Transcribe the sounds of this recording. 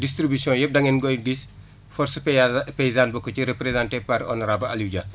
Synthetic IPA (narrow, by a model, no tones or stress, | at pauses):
distɾibisjɔ̃jɛp̚dɐŋɛnɡɔjdis | fɔɾsppɛjzaːnbɔkːɔciɾepɾezãːntepɐɾɔ̰nɔɾabɐa̰luɟɐ